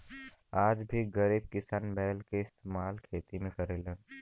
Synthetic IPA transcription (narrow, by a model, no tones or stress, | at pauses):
aːd͡ʒbʱiɡɐɾiːb̚kɪsaːnbɛːlkeɪst̪eːmaːlkʰeːt̪imẽkɐɾeːlə̃ːn